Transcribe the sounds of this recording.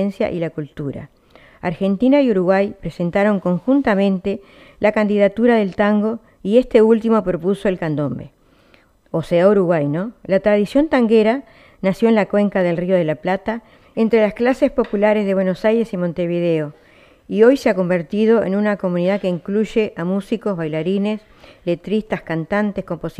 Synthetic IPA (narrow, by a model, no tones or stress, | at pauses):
ensja̰ʔilakult̪uɾa̰ | aɾxe̞nt̪inajuɾuɣwajpɾe̞se̞nt̪aɾo̞ŋko̞ŋxunt̪amẽ̞nt̪e̞ | lakand̪ið̞at̪uɾaðe̞lt̪aŋɡo̞ | ie̞st̪e̞ult̪imo̞pɾo̞puso̞elkand̪o̞mbe̞̰ | oseauɾuɣwajno̞lat̪ɾað̞isjo̞nt̪aŋɡeɾa | nasjo̞enlakwe̞ŋkaðe̞lrio̞ð̞elaplat̪a | ent̪ɾelasklase̞spo̞pulaɾezðe̞βweno̞sajɾe̞simont̪e̞βið̞eo̞ | io̞jseako̞mbe̞ɾt̪ið̞o̞ḛnunako̞mũniðakeiŋkluʒeʔamusiko̞zβajlaɾine̞s | le̞t̪ɾist̪askant̪ant̪esko̞mpos